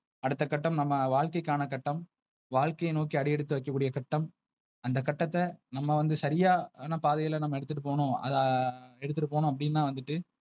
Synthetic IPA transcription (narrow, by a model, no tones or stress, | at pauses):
ɐɽɯt̪ːɐkɐʈːɐmnɐmːɐʋaːɭkɐɪkːaːnɐkɐʈːɐm | ʋaːɭkɐjnoːkiɐɽɪjɛɽɯt̪ːɯʋɐɪkːɐkːuːɽɪjɐkɐʈːɐm | ɐnd̪ɐkɐʈːɐt̪ːɐnɐmːɐʋɐnd̪ɯsɐɾɪjaːnːɐpaːðɐjɐlɐnɐmːɐɛɽɯt̪ːɯʈːɯpoːɳʊ̃ːɐ̰ðaɛɽɯt̪ːɯʈːɯpoːnʊ̃ːɐp̬ːɐɽɪnːaːʋɐnd̪ɯʈːɯ